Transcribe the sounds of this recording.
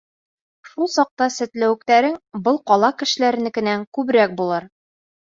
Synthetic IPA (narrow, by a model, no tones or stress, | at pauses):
ʃulˠsɒq̚t̪ɑsɘ̆t̪læwɘ̆kt̪æɾɘŋbɤlˠqɒlˠɑkɘ̆ʃɘ̆læɾɘ̆nɘkɘ̆næŋkʉbɾæk̚bulˠɤɾ